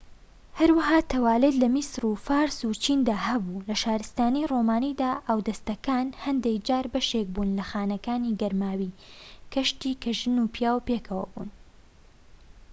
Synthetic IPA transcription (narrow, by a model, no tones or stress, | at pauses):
hɐɾwɐɦaːt̪ʰɐwaːlet̪lɐmisɾufaːɾsut͡ʃʰind̪aːhɐbulɐʃaːɾɨst̪aːnijromaːnid̪aːʔaːwd̪ɐst̪ɐkaːnhɐnd̪ekd͡ʒaːɾbɐʃek̚buːnlɐxaːnɐkaːniɡɐɾmaːwikɐʃt̪iːkɐʒɨnupjaːwpekʰɐwɐ̰bṵːn